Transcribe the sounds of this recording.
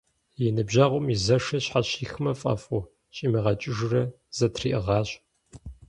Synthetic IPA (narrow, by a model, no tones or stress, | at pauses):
jɛnɨbʑaʁʷʼʊmizɐʂɐɕħaɕiːxɨmɐfʼɐ̰fʼʊ | ɕʼiːmiʁɐt͡ʃʼɪʒɨrɐ | z̥ɐtʰriːʔɨʁɑːɕʼ